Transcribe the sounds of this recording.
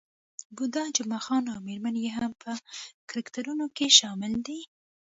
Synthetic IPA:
bud̪ɑd͡ʒamaxɑnawmeɾmanjeɦampʰəkɾɪkt̪aɾunokeʃɑmɪld̪i

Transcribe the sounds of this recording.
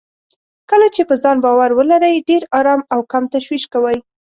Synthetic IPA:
kəlat͡ʃepəzɑnbɑwaɾwəlaɾəjɖeɾɑɾɑmawkamt̪aʃwiʃkawəj

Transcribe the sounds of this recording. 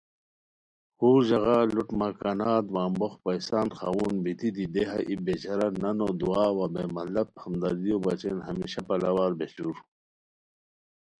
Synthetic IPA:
huːʑɐɣaːluʈmɐkanaːt̪waːmboxpɐjsaːnxa̰wuːnbit̪id̪id̪eɦɐ̰ʔibet͡ɕɐɾɐɾnɐnoːd̪uaːwabemɐlɐp̚hɐmd̪ɐɾd̪ijobɐt͡ɕeːnhɐmiɕapɐlawaːɾbet͡ɕuɾ

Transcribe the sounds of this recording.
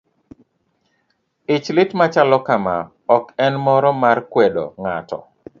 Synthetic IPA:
ɪt͡ʃlɪtmat͡ʃalɔkama̰ | ɔkɛnmɔɾɔmarkwedɔ̰ŋa̰tɔ̰

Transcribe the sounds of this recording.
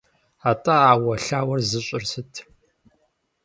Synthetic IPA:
aːtʼaaːwɐɬaːwɐrzɨɕʼɪrsɨtʰ

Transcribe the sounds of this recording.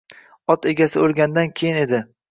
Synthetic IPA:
ɒt̪e̞ɡʲasɪolˠɡʲand̪ankʲʰejɪne̞d̪ɪ

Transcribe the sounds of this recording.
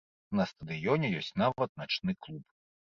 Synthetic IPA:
nɐst̪ɐd̪ɨjɔnʲɛjɔsʲt͡sʲnavɐt̪̚nat͡ʂnɨklˠup

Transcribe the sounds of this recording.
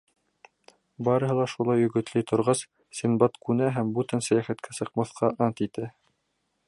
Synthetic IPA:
bɑɾɤ̆ɦɤlˠɑʃulˠɑjɵ̆ɡɵ̆t̪lɘjt̪ʰŏɾʁɑs | sinbɑt̪kʉnæɦæmbʉt̪ænsæjæχæt̪kʰæsɤ̆qmɑθqɑʔɑnt̪it̪æ

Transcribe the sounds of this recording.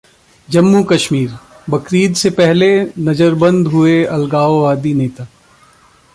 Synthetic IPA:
d͡ʒɐmːukɐʃmiːɾ | bɐkɾiːd̪sepɛɦlenɐd͡ʒəɾbɐ̃nd̪ɦʊeɐlɡaːoʋaːd̪ineːt̪aː

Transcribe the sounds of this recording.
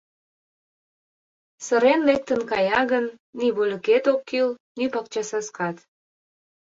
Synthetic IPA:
sə̆ɾenlek̚t̪ənkɑjɑɣənːiβolʲə̆ket̪okːilnypɑk̚t͡ɕɑsɑskɑt̪

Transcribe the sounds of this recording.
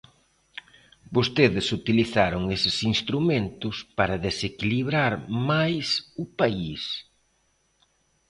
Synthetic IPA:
bost̪eðɪsut̪iliθaɾʊŋesɪsinst̪ɾumẽnt̪ʊspaɾɐðesekiliβ̞ɾaɾmajsʊpais

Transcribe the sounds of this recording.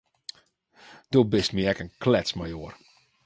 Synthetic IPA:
d̥obɪstmiɛkənklɛsmajoər

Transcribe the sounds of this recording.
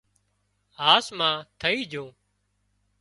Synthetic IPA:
ɦaːsmãːt̪ʰəiːd͡ʒʱõː

